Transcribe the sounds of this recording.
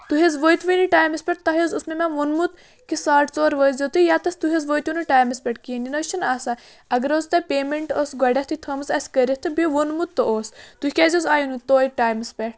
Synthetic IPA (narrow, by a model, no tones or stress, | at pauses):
t̪uɦezʋəjt̪ʋiniʈaːjmɐspʲeʈ̚t̪ɐɦozusmemaʋonmut̪ | kisaːʈt͡soːɾʋəːzʲɐt̪ɨjaːt̪ɐst̪uɦʲezʋot̪ʋunuʈaːjmɐspʲeʈkininɐt͡ʃʰɐnaːsa | ɐɡɐɾoːzt̪ɐpʲeːmeɳʈoːsɡɐɖʲɐht̪ʰit̪ʰɐmzɐsʲkəɾʲiht̪ʰɨbeʋonmut̪ːɐʔoːst̪uhʲkʲaːzʲozaːjunut̪oːjik̚ʈaːjmɐspʲeʈ̚